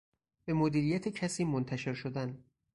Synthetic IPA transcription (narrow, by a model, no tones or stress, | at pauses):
b̥e̞mod̪iːɾijæt̪ʰecʰæsiːmont̪ʰæʃe̞ɾʃod̪æn